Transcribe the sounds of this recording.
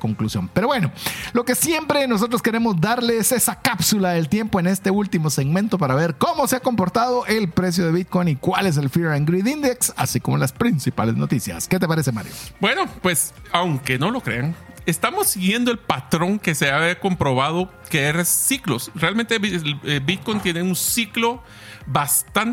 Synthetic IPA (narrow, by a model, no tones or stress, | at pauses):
ko̞ŋklusjo̞̰mpe̞ɾo̞βwe̞no̞lo̞ke̞sje̞mpɾe̞no̞s̬ot̪ɾoske̞ɾe̞mo̞zd̪aɾlese̞sakapsulaðe̞lt̪je̞mpoene̞st̪eult̪imo̞se̞ɣmẽ̞nt̪o̞paɾaβe̞ɾko̞mo̞seako̞mpo̞ɾt̪aðo̞ʔe̞lpɾe̞s̬jo̞ðe̞βit̪̚ko̞jnikwale̞s̬e̞lfiɾaŋɡɾiðind̪eksa̰siko̞mo̞laspɾinsipa̰le̞zno̞̰t̪isja̰ske̞t̪̬e̞paɾe̞se̞ma̰ɾjo̰bweno̞pwe̞sawŋke̞no̞lo̞kɾeaŋ | est̪amo̞siɣje̞nd̪o̞e̞lpat̪ɾo̞ŋke̞seaβeko̞mpɾo̞βaðo | keeresːiklosrealment̪eebit̪̚kojnt̪jeneunsiklo̞ | bast̪an